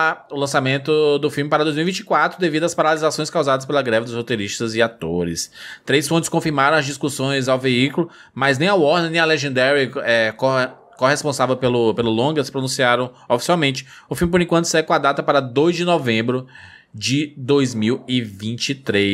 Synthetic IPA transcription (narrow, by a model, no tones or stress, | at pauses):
aʊlɐ̃samẽnt̪ʊd̪ʊfilmɪpaɾɐd̪ojzmivĩt͡ʃɪ̥kwat̪ɾʊd̪evid̪ʊaspaɾalizasõj̃skawzad̪ɐs̬pelɐɡɾɛvɪd̪ʊshot̪eɾiʃt̪ɐzɪat̪oɾɪ̰st̪ɾejsfõt͡ʃɪ̥skõfiɾmaɾɐ̃w̃ɐzd͡ʒiskusõj̃zawveikʊlʊ | maznẽj̃awɔɾnenẽaleʒẽnd̪ɛɾiɛko | kohespõsavewpelʊpelʊlõɡɐsɪ̥pɾonũsiaɾɐ̃w̃ | ofi̥siawmẽnt͡ʃɪ̥ʊfilmɪpoɾẽkwɐ̃nt̪ʊsɛkõad̪at̪ɐpaɾɐd̪ojzd͡ʒɪnɔvẽmbɾʊ | d͡ʒɪd̪ojzmiwɪvĩt͡ʃɪt̪ɾe